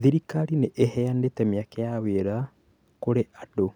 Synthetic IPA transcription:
ðiɾikaɾineʔehɛandetɛmeakɛjaweɾa | koɾeʔado

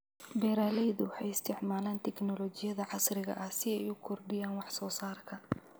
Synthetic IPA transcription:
bɛːɾaːlɛjðʊwɑħɑjɪst̪ʰɪʕmaːlaːnt̪ʰɛknɔlɔːt͡ʃɪjɐðɐʕɑsrɪɣɐ̰ʔɐhsɪɛjʊkʰɔrɖɪjaːnwɑħsɔːsaːrkʰɐ

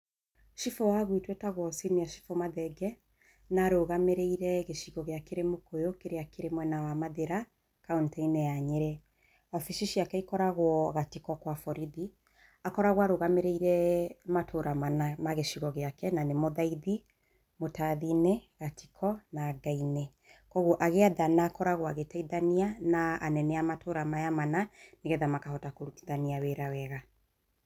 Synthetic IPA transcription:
ʃifowaɣwitwɛtaɣwɔsimiaʃi̥fomaðɛɡɛ | naɾoɣameɾeiɾɛɣeʃiɣɔɣeakeɾemokojokeɾeakeɾemwɛnawamaðeɾa | kauntɛinɛjaɲeɾɛ | afiʃiʃiakɛikɔɾaɣwɔɣatikɔkwafɔɾiði | akɔɾaɣwɔaɾoɣameɾeiɾɛmatʰoɾamanamaɣeʃiɣɔɣeakɛnanemoðaiði | motaðinɛɣati̥kʰɔnaɡainɛ | kɔɣuʔaɣeaðanaːkɔɾaɣwaɣetaiðanianaːnɛnɛamatʰoɾamajamananeɣɛðamakahɔtakoɾuti̥ðaniaweɾawɛɣa

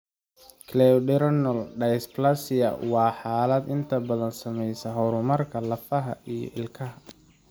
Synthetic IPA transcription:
kʰlɛɖɛɾɐnɔlɖɛjsplɐsɪjɐ̰wɑːħɑːlɐd̪ɪnt̪ʰɐbɐðɐnsɐmɛjsɐɦɔɾʊmɐrkʰɐlɐfɐɦɐijɔ̰ʔɪlkʰɐɦɐ

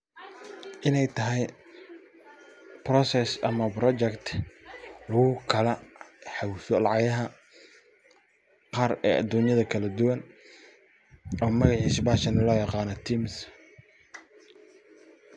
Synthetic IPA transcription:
ʔɪnɛjt̪ʰɐɦɛj | prɔsɛsɐmɐprɔt͡ʃɛkt̪ʰ | lʊɣʊkʰɐlɛħawfɔlɑʕɑjɐɦɐ | qɑːrɛːʔɐ̰d̪uːnjɐðɐkʰɐlɐd̪ʊwɐn | ɔːmɐɣɑʕisbaːʃɐnlɔːjɑqɑːnɔt̪ʰiːms

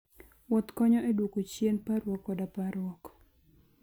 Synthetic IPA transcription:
wɔt̪kɔɲɔʔedwokot͡ʃjenpaɾwɔkːɔdapaɾwɔk

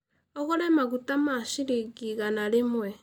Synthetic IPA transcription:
ɔɣɔɾɛmaɣutamaʃiɾiɡiɣanaɾemwɛ

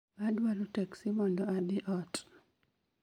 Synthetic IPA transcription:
adwalotɛksimɔndɔadɪʔɔt

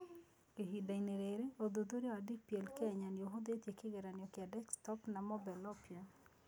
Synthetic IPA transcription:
keɦidaineɾeɾeod̪od̪oɾjɔadik̚pjɛlkeɲanjoɦod̪etjekeɡɛɾanjɔkɪadɛkstɔpnamɔbɛlɔpja

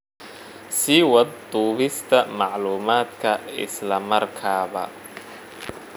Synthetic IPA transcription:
siːwɐd̪d̪uːβɪst̪ʰɐmɑʕluːmaːd̪kʰɐɪ̰slɐmɐrkʰaːβɐ̰

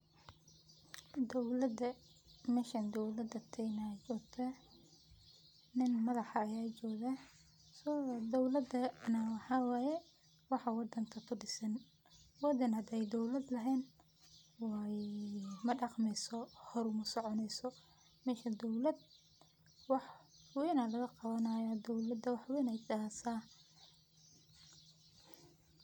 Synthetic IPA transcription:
d̪ɔwlɐd̪ɐ | mɛːʃɐnd̪ɔwlɐd̪ɐt̪ʰɛjnɐt͡ʃɔːɡt̪ʰɐ | nɪnmɐðɑħɑːjaːt͡ʃɔːɣɐ | sɔd̪ɔwlɐd̪ɐnɐwɑħɑːwɑjɛ | wɑħɑwɑd̪ɐŋkʰɐkʰʊɖɪsɐn | wɑd̪ɐnhɐd̪ɛjd̪ɔwlɐd̪lɐɦɛːn | wɑ | mɐɖɑqmɛsɔhɔɾʊmɐsɔʕɔnɛjsɔ | mɛːʃɐd̪ɔwlɐd̪̚ | wɑħwɛːnɐlɐɣɐqɑβɐnɐjɔd̪ɔwlɐd̪ɐwɑħwɛːnɛjt̪asaː

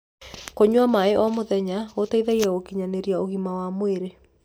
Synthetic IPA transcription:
koɲwamaeʔɔmoðɛɲaotaiðaiɾaokiɲaneɾjaoɣimawamweɾe

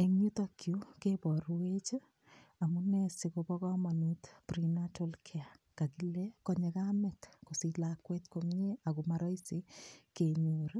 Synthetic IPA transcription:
eŋɲut̪akjukebɔɾwet͡ʃ | amunɛsikobɔkɔmanut̪pɾinatolkʰɛa | kakilekɔɲekamɛtkosilakwɛt̪komɲeakumaɾɔisikeɲoɾ

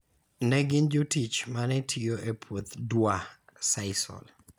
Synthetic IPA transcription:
nɛɡɪnd͡ʒotit͡ʃmanɛtʰijoʔepʰwot̪dwasaɪsɔ̰l

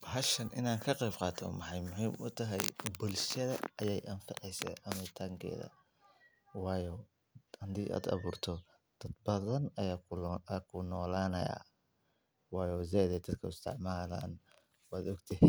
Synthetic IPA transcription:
hɐʃɐnʔɪ̰naːŋkʰɐqɛjbqɑːt̪ʰɔ̰mʊħɑjmʊhiːmʊt̪ʰɐɦɛ̰jbʊlʃɐðɐɐjɛjʔɐnfɪʕɛjsɛ̰ʔɐmɐt̪ʰɐŋkʰɛ̰ːðɐ̰ | wɑːjɔ | ɐnd̪iːʔa̰ːd̪ɑ̰βuːrt̪ʰɔ | d̪̥ɐd̪̚bɐðɐnɐjaːkːkʰʊnɔːlaːnɐ̰ja̰ː | wɑːjɔːzɛːðɛd̪ɐd̪kʰɐʊst̪ʰɪ̰ʕmaːla̰ːn | waːd̪ɔɡt̪ʰɛɦ

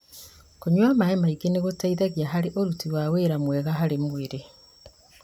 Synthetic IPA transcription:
koɲwamaemaiɡeneɣotaiðaɣjaɦaɾeʔoɾutiwaweɾamwɛɣaɦaɾemweɾe

